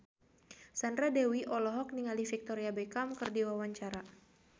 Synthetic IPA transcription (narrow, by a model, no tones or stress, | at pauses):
sandɾadɛwiʔɔlɔɦɔk̚niŋalifik̚t̪ɔɾiabekamkɨrdiwawaɲt͡ʃaɾa